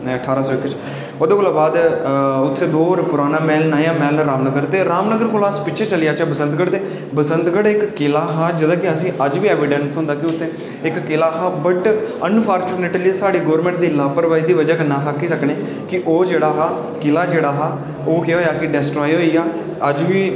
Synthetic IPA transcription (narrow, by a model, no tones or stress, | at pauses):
əʈʰaːɾaːsɔːɪkːt͡ʃ | oːd̪eːkoːlaːbaːd̪ʊt̪ʰːẽːd̪oːəɾpʊɾaːnãːmɛːlnaːjãːmɛːlɾaːmnəɡəɾt̪eːɾaːmnəɡəɾkoːlaːspɪʃʰeːt͡ʃəlɪjaːt͡ʃaːbəsənd̪ɡəɽt̪eː | bəsənd̪ɡəɽɪkːɪlaːɦaːd͡ʒəd̪ãːkɪəsĩːʔəd͡ʒʋiːɛːʋɪɖənsɦʊ̃nd̪aːkɪʊt̪ʰːẽː | ɪkːɪlaːɦaːbəʈənpʰaːɾt͡ʃuːneːʈliːsaːɽiːɡoːəɾmɛ̃ːɳʈ̚d̪iːlaːpəɾʋaːiːd̪iːʋəd͡ʒaːkənãːɦakːiːsəkneː | kɪʔoːd͡ʒeːɽaːɦaː | kɪlaːd͡ʒeːɽaːɦaː | oːkeɦoːjaːkɪɖɛːsʈɾoːiɦoːiːaː | əd͡ʒʋiː